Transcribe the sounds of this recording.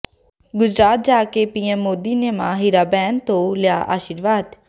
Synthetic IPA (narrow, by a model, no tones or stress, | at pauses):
ɡʊd͡ʒɾaːt̪̚d͡ʒaːkeːpiːɛmːoːd̪iːneːmãːɦɪɾaːbɛːnt̪õːlɪja̰ːʔa̰ːʃiɾʋaːd̪